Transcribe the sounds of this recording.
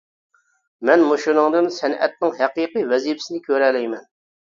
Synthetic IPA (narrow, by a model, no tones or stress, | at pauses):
mɛnmuʃunɨŋd̪ɨnsɛnɛ̰t̪̚nɪŋɦɛqiːqivɛzijipɪ̥sɪnɪkʲʰøɾɛlɛjmɛn